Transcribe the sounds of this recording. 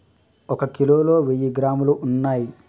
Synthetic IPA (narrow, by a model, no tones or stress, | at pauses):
ɔkɐkiloːloːʋejːiɡɾaːmuluʔːnːaːji